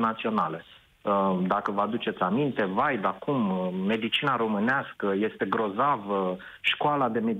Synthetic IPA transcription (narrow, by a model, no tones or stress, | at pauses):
nat̪sio̞nale | d̪akəvəad̪ut͡ʃe̞t̪sʲamint̪e̞vajb̪akumːe̞d̪it͡ʃinaɾo̞mɨneaskəje̞st̪e̞ɡɾo̞zavə | ʃkoalad̪e̞me